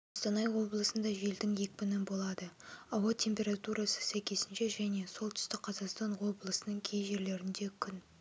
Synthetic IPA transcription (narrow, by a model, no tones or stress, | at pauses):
ost̪ɑnɑjwo̞blˠəsənd̪ɑʒe̞ld̪ɪŋje̞k̚ʲbɪnɪnbo̞lˠɑd̪əɑwɑt̪ʰʲe̞mpʲe̞ɾɑt̪uɾʔɑsə̥sæjkʲʰe̞sɪnʃe̞ʒæne̞so̞lˠt̪ʰʏ̥st̪ɪk̚qʰɑzɑqst̪ɑnwo̞blˠəsənəŋkʲʰejʒe̞ɾle̞ɾɪnd̪e̞kʲʰʏn